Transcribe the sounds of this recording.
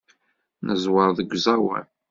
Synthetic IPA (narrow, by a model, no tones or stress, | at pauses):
nəzwəɾˤðəɡʷzɑwæ̰n